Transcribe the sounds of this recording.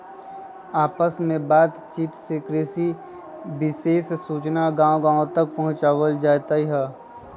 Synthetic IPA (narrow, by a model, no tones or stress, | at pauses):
aːpəsmẽbaːt̪t͡ʃiːt̪sekɾeːsi | bɪseːssuːt͡ʃnaɡãːõɡãːõt̪ɐk̚pɐɦʊ̃t͡ʃaːʋəld͡ʒaːt̪aiɦɛː